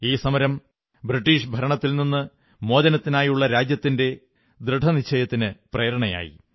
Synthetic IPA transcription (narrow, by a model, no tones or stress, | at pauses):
iːsɐmɐɾɐm | bɾiʈːiːʂbʱɐɾɐɳɐt̪ːilninːɨ | mo̞ːdɐnɐt̪ːinaːjuɭːɐɾaːd͡ʑjɐt̪ːinde̞ | d̪ɾɨɖʱɐnit͡ɕʰːɐjɐt̪ːinɨpreːɾɐɳɐja̰ːjḭ